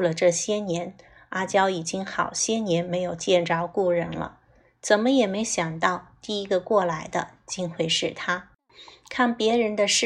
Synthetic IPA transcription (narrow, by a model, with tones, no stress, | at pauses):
lə˩ʈ͡ʂɤ˥˩ɕjɛ˥njɛ˧˥n | a˥t͡ɕjɑ˥ʊi˨˩t͡ɕi˥ŋxɑ˨˩ʊɕjɛ˥njɛ˧˥nme˧˥ɪjo˨˩ʊt͡ɕjɛ˥˩nʈ͡ʂɑ˥ʊku˥˩ɻə̰˧˥nlə̰˧ | t͡sə˨˩nmə˦jɛ˨˩me˧˥ɪɕjɑ˨˩ŋt̪ɑ˥˧ʊt̪i˥˩i˥ɡə˧kwɔ˥˩la˧˥ɪd̪ə˧t͡ɕi˥nxwe˥˧ɪʂɻ̩˥˩t̪ʰa˥ | kʰa˥˩npjɛ˧˥ɻə˧˥nd̪ə˧ʂ̩˥